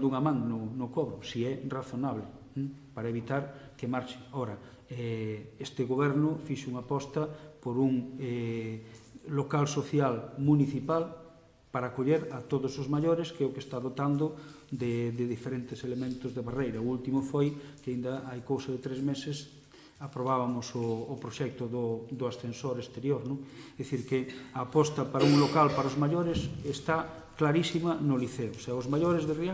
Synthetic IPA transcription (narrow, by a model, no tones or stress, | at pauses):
d̪uŋamãŋnonokɔβɾʊsiɛraθonaβlɪ̃ | paɾɐeβit̪aɾkemaɾʃɪɔɾɐ | ɛest̪ɪɣoβɛɾnʊfiʃuŋapɔst̪ɐpoɾuŋɛ | lokalsoθjalmuniθipal | paɾaːkoʎeɾɐt̪oðʊsozmaʎoɾeskɛʊkest̪aðot̪and̪ʊ | d̪ed̪eðifeɾent̪eselemẽnt̪ozðeβarejɾɐult̪imofojkeaind̪aajkowsɐðet̪ɾezmeses | apɾoβaβamosoːpɾoʃɛk̚t̪oðod̪oasθensoɾest̪eɾjoɾnõŋðiθiɾkeaːpɔst̪apaɾauŋlokalpaɾaozmaʎoɾesest̪a | klaɾisimanoliθeoseaozmaʎoɾezðeri